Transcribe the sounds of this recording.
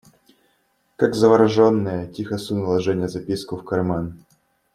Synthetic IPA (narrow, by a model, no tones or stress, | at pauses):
kaɡzəvɐɾɐʐonːɨjətʲixɐsunəlˠɐʐɛnʲɪjəzɐpʲiskʊfkɐrman